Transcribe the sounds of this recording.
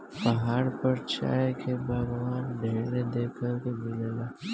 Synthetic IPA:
pɐɦaːɽpəɾt͡ʃa̰ːjkʰebʱəɡʋaːnɖʱeɽed̪ekʰəɾkemɪlela

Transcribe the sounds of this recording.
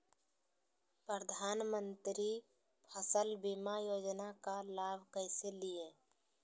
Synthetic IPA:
pɾəd̪ʱaːnmənt̪ɾi | pʰəsəlbimajoːd͡ʒnakalaːbʱkəɪselije

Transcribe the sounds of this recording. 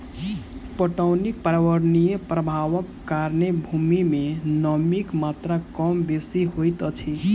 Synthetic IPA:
pəʈəwnik̚paɾaʋəɾnijepɾəbʱaʋəkːaɾnebʱumimenəmikmat̪ɾakɔmbesiɦojt̪ət͡ʃʰi

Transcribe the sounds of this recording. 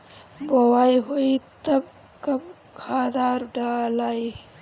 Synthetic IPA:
bowaːiɦoit̪ɐb̚ | kɐm | kʰaːd̪aːɾɖaːlaːi

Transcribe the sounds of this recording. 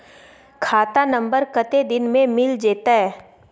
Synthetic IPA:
kʰaːt̪anə̃mbəɾkət̪ed̪ɪnmẽmɪld͡ʒeːt̪aɦɛː

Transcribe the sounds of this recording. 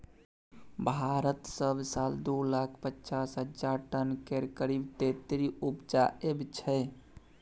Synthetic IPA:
bʱaɾət̪səbʱsald̪ulakʰpətːt͡ʃasɦəd͡ʒaʈənkeɾkəɾibt̪et̪ɾiupd͡ʒaʔebt͡ʃʰɛ

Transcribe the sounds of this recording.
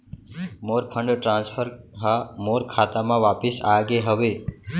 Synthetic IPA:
moɾpʰə̃ɳɖʈɾãnspʰəɾɦamoɾkʰaːt̪amãʋaːpɪsaɡeɦəʋe

